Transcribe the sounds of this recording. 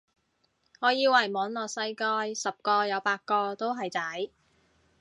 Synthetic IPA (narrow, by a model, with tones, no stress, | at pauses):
ŋɔː˨˧jiː˧wɐ˨˩jmɔː˨˧nlɔː˨˩k̚sɐ˥jkɔː˧jsɐ˨p̚kɔː˧jɐ˨˧wpaː˧t̚kɔː˧t̪o˥wɦɐ˨jt͡sɐ˨˥j